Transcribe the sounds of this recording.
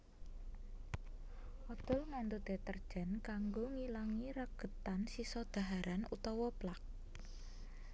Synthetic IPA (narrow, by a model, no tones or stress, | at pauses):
ʔɔd̪̥ɔ̤lŋant̪ud̪̥e̤t̪ərd̥ʒ̥a̤nkaŋɡoŋilaŋiɾaɡ̥ə̤t̪ansisɔd̪̥a̤ɦaɾanṵt̪ɔwɔplak̚